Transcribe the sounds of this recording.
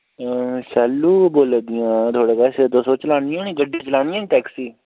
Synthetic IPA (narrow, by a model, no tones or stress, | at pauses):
sɛːlːuːboːld̪ɪjãːt̪ʰoːɽeːpɛːseːd̪õːsõːt͡ʃəlaːnijoːnĩːɡəɖʱĩːt͡ʃəlaːnijãːʈɛːksiː